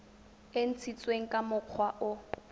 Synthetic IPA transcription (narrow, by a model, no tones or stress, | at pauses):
en̩t͡sʰit͡sʼweŋ̩kʼamʊq͡χʰwaʔʊ